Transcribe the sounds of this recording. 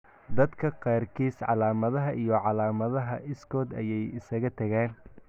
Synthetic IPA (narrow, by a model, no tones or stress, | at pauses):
d̪ɐd̪kʰɐqɑːrkʰiːsʕɑ̰laːmɐðɐɦɐʔijɞʕɑlaːmɐðɐɦɐʔɪskʰɔːd̪ɐ̰jɛjɪsɐɣɐt̪ʰɐɣaːn